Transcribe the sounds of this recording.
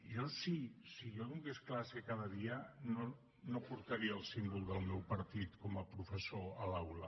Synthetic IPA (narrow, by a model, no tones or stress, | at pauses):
josisijonuŋɡesklasekaðəðiəno | nopuɾt̪əɾiəːlˠsimbulˠd̪əlˠmɛwpəɾt̪it̪kɔməpɾufəsoəlawlə